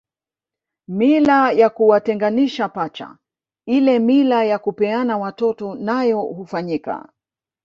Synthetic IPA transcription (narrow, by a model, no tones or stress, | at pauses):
milajakuwatɛŋɡaniʃapat͡ʃa̰ | ilɛmilajakupɛanawatɔtɔnajɔhufaɲika̰